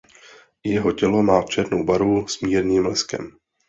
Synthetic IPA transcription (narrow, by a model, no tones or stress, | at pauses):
jɛɦo̞cɛlo̞maːft͡ʃɛɾnowbaɾusmiːɾɲiːmlɛskɛ̰m